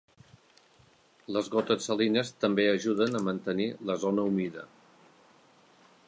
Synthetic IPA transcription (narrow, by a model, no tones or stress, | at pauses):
ləzɣot̪əsəlinəst̪əmbeəʒuðənəmənt̪əniləzonəumiðə̰